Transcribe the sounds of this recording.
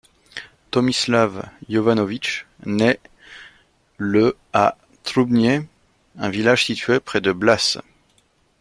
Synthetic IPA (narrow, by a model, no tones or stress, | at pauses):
t̪ɔmislavjɔvanɔvit͡ʃ | nɛ | ləa | t̪χubnje | ɛ̃vilaʒsit̪ɥepχɛd̪əblas